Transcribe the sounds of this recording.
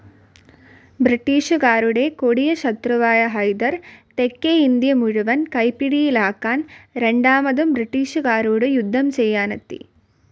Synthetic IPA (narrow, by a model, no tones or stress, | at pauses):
bɾiʈːiːʂukaːɾuɽeːkoɽijɐʃɐt̪ɾɐʋaːjɐɦɐjd̪ɐɾt̪ekːeːind̪ijɐmuɻuʋɐnkɐjpiɽijilaːkːaːnɾeɳɖaːmɐd̪umbɾiʈːiːʂukaːɾuːɽɯjud̪ʱːɐmsɛjːaːnɐt̪ːḭ